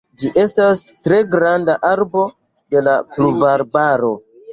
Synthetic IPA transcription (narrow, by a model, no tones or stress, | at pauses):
d͡ʒiʔe̞stastɾe̞ɡɾandaʔaɾbo̞ | de̞lapluvaɾbaɾo̞